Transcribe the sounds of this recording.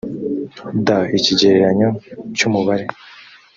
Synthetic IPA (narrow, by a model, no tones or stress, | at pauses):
daiciɟeɾeɾaɲocumuβaɾe